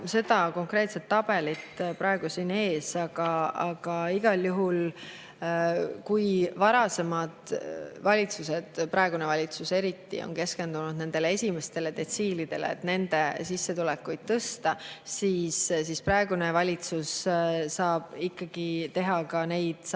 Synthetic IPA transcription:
se̞d̪̥ɑko̞ŋkre̞ːt̪set̪ːɑb̥e̞lit̪pɾɑe̞ɡ̥usine̞ːsɑɡ̥ɑɑɡ̥ɑiɡ̥ɑljuɦul | kujvɑɾɑse̞mɑd̪̥vɑlʲit̪suse̞d̪̥pɾɑe̞ɡunevɑlʲit̪suse̞ɾit̪ːḭo̰nke̞ske̞nd̪̥unud̪ne̞nd̪̥e̞lee̞sʲime̞st̪e̞le̞d̪̥e̞t̪siːlid̪̥e̞̰lḛːt̪ne̞nd̪̥e̞sisːe̞t̪ulekːujd̪̥̚t̪ɤst̪ɑsiːssispɾɑeɡ̥une̞vɑlʲit̪susːɑːb̥ikːɑɡ̥it̪e̞ɦɑkɑne̞jd̪̥s

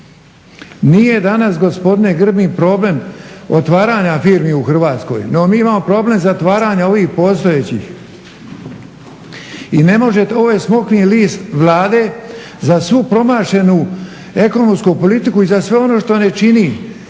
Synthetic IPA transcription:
nije̞d̪anasɡo̞spo̞d̪ine̞ɡr̩bipɾo̞ble̞mot̪ʋaːɾaːɲafiːɾmiuxr̩ʋaːt̪sko̞̰jno̞miːimaːmo̞pɾo̞ble̞mzat̪ʋaːɾaɲao̞ʋiːxpo̞ːst̪o̞et͡ɕḭx | ine̞mo̞ʒet̪o̞ʋojsmo̞kniliːst̪ʋlˠaːd̪e̞ | zasʋupɾo̞maːʃe̞nu | e̞ko̞nomskupo̞lit̪ikuizasʋe̞o̞no̞ːʃt̪o̞ne̞t͡ʃini

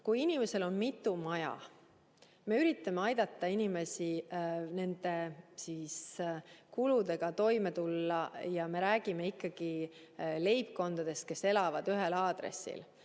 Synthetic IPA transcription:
kujinime̞se̞lo̞nmit̪ːˑumɑjɑ̰ | me̞yɾit̪ːˑɑme̞ɑjd̪̥ɑt̪ˑːɑinime̞sine̞nd̪̥e̞siːskulud̪e̞ɡ̥ɑt̪o̞jme̞t̪ulːɑjɑme̞ɾæːɡ̥ime̞ikːɑɡ̥i | le̞jpko̞nd̪̥ɑd̪̥e̞st̪̚ke̞se̞lɑvɑd̪yɦe̞lɑːd̪̥rḛsḭl

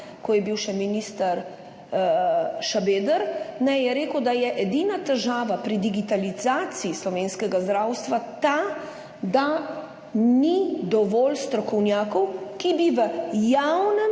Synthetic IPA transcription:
kɔjɛbiwʃɛminist̪aɾ | ʃabeːd̪əɾnɛjjɛɾeːkəwd̪ajɛʔɛd̪inat̪ɛʒaːʋapɾid̪iɡit̪alizaːt̪siːslɔʋeːnskɛɡazd̪ɾawst̪ʋat̪a | d̪a | nid̪ɔʋɔlst̪ɾɔkɔwnjaːkɔwkibiʋəjawnɛ

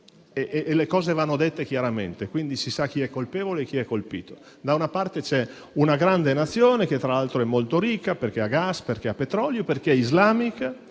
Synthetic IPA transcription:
eʔʔːlekɔːzevanːod̪et̪ːek̟jaɾamḛnt̪ekwind̪isisak̟ːiɛkːolpeːvoleːk̟ːiɛkːolpḭːt̪o̥ | d̪aunapart̪et͡ʃɛ | unaɡɾand̪enat̪sːjoːneket̪ːɾalalt̪ɾoɛmːolt̪oɾikːaperkeaɡasperkeapːet̪ɾɔljoperk̟eɛizlaːmik

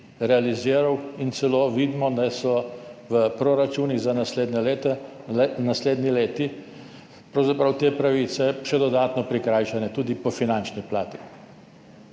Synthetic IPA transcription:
ɾɛaliziːɾawint̪sɛloːʋiːd̪mɔd̪asɔʋəpɾɔɾat͡ʃuniɣzanaed̪nɛlt̪ɛnasleːd̪nileːt̪i | pɾawzapɾawt̪eːpɾaʋit̪sɛʃɛd̪ɔd̪aːt̪nɔpɾikɾaːjʃanɛt̪uːd̪ipɔfinant͡ʃniplaːt̪i

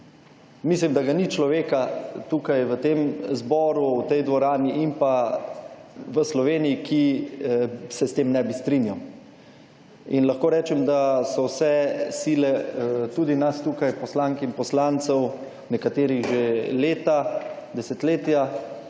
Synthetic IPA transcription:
mislimd̪aɡanit͡ʃlɔʋeːkat̪ukajʋət̪eːmzbɔːɾuwt̪ɛjd̪ʋɔɾaːniʔimpa | ʋəslɔʋeːnijikʰi | sɛst̪eːmnɛbist̪ɾinjaw | inlaxkoːɾɛːt͡ʃɛmd̪asɔwsɛsilɛt̪uːd̪inast̪uːkajpɔslaːŋkinpɔslant̪sɛw | nɛkat̪eːɾiɣʒeleːt̪ad̪ɛsɛt̪leːt̪ja

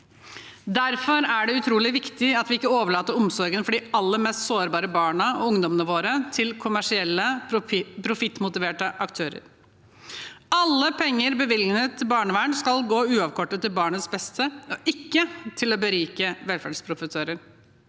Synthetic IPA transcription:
d̪æɾfɔɾæɖɛʉt̪ʰɾuːlɪʋɪkt̪ɪɑt̪ʋɪɪkːəoːʋəɭɑːt̪əɾʊmsɔɾɡənfɔɖiːɑlːəmɛːst̪soːɾbɑːɾəbɑːɳəɔ̰ʊŋd̪ɔmənəʋoːɾət̪ʰɪlkʰʊmæʂɪɛlːə | pʰɾʊfɪt̪ːmʊt̪ɪʋeːʈəʔɑkt̪ʰøːɾə̰ɾ | ɑlːəpʰɛŋːəɾbəʋɪlnət̪ʰːɪbɑːɳəʋæɳskɑlɡoːʉːɑʋkʰɔʈːət̪ʰːɪlbɑːɳəsbɛst̪ʰəɔʔɪkːət̪ʰɪlɔbəɾyːkəʋɛlfæɖspʰɾʊfəsøːɾəɾ

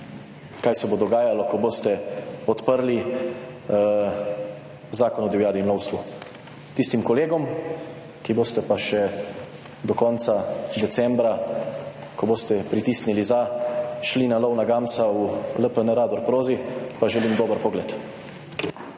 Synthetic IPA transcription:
kajsɛbod̪ɔɡaːjalɔkɔboːst̪ɛɔt̪pəɾli | zaːkɔnɔd̪iwijaːd̪imlɔwst̪ʋu | t̪ist̪imkɔleːɡɔm | kiboːst̪ɛpaʃɛ | d̪ɔkɔnt̪sad̪ɛt̪sɛmbɾa | kɔboːst̪ɛpɾit̪iːsnilizaʃlinalɔwnaɡaːmsauləpənəɾaːd̪ɔɾpɾoːzipaʒɛlimd̪oːbəɾpɔɡlɛt̪

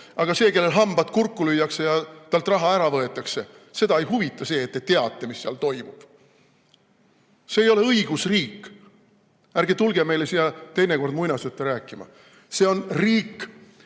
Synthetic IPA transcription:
ɑɡ̥ɑse̞ːke̞lːe̞lɦɑmb̥ɑt̪ˑkurkːˑulyjːɑkse̞jɑt̪ɑlt̪ˑrɑɦɑæɾɑvɤe̞t̪ːˑɑkse̞ | se̞d̪̥ɑe̞jɦuvit̪ːˑɑse̞ːt̪ːet̪e̞ɑt̪ːˑe̞misːeɑlt̪o̞jmub̥ | se̞ːjo̞le̞ɤiɡ̥usriːkːˑ | æɾɡ̥et̪ulɡe̞me̞jlesij̪ɑt̪e̞jneko̞rd̪mujnɑsyt̪ːˑeɾæːkːˑimɑ̰ | se̞o̞nriːkː

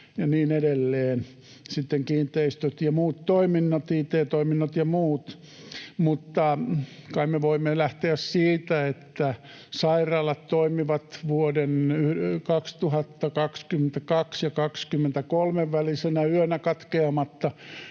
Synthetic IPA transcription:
jɑniːnedelːeːn | sit̪ːeŋkiːnt̪ˑeist̪øt̪jɑmuːt̪toiminːot̪iːt̪eːt̪oiminːot̪jɑmuːt̪ | mut̪ːɑkɑimmeʋoimːelæht̪eæssiːt̪æet̪ːæ | sɑirɑːlɑt̪toimiʋɑt̪ʋuodenyhkɑkst̪uhɑt̪ːɑkɑkskymːent̪ækɑksjɑkɑkskymːent̪ækolmeʋʋælisenæyønækɑt̪keɑmɑt̪ːɑ

